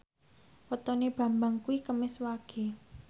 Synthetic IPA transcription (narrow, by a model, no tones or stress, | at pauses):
wət̪ɔneb̥ä̤mbaŋkuikəmɪswaɡ̥e̤